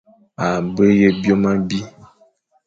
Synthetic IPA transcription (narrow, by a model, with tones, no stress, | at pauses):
a˨bə˦je˦bjo˦ma˦bi˦